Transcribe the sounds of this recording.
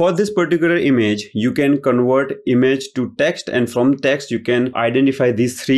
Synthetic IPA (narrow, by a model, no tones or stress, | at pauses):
fɔɾd̪ɪspəɾʈɪkjʊləɾɪmed͡ʒjuːkɛ̃nkə̃nʋəɾʈɪmed͡ʒʈuʈɛksʈɛ̰̃ɳɖfɾɔ̃mʈɛksʈjuːkɛ̃nʔa̰ɪɖɛ̃ɳʈɪfaɪd̪iːst̪ʰɾiː